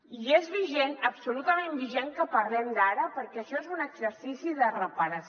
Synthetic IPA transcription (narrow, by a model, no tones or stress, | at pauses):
iezβiʒenəpsulut̪əmembiʒeŋkəpəɾlɛmd̪aɾəpəɾkɛəʃɔezunəɡzəɾsisiðərəpəɾəs